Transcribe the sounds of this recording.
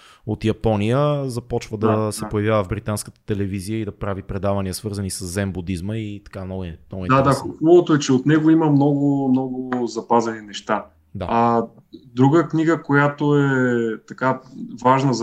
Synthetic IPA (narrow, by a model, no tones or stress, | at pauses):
ot̪jɐpɔnijəzɐpɔt͡ʃvəd̪ɐsɛpojɐvjavəvbɾit̪anskət̪ə̥t̪ɛlɛviziəid̪ɐpɾavipɾɛd̪avɐniəsvɤɾzənisəzːɛmbud̪izməit̪ɐ̥kamnɔnɔɡʊiadd̪axubəvot̪oɛt͡ʃɛot̪nɛɡoiməmnɔɡomnɔɡʊzɐpazɛninɛʃt̪a | d̪aɐ | d̪ɾuɡəkniɡəkojat̪oɛt̪ɐkavaʒnəz